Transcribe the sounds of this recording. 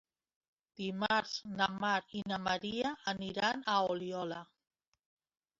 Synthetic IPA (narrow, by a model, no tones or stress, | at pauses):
d̪̥imaɾznamaɾinamaɾiaːniɾanaoliɔla